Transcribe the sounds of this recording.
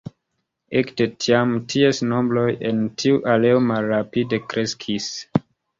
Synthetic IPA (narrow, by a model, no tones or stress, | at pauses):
ektetiamtʰiesno̞mbɾojentʰiuʔaleomalɾapide̞kɾe̞skʰis